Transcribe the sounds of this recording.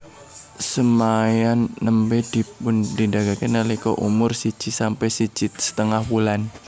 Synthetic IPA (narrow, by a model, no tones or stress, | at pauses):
səmajanːəmbed̥ipʊndidaɡakinəlikɔ̰ʔṵmʊrsi̥t͡ʃisampɛjsi̥d͡ʒɪt̪̚sə̥t̪əŋahwulan